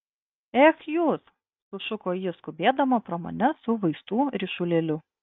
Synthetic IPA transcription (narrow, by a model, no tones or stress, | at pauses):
ɛxjuːs | sʊʃʊkoːjɪskʊbʲeːd̪ɐmɐpɾɐmo̰ːnʲɛsʊʋɐɪst̪uːɾʲɪʃʊlʲɛlʲʊ